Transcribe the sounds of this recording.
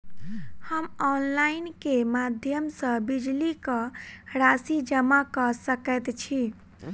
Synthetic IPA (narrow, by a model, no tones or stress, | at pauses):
həmɔnlainkemad̪ʱjəmsə̃bid͡ʒlikəɾasid͡ʒəmakəsəkɛt̪t͡ʃʰi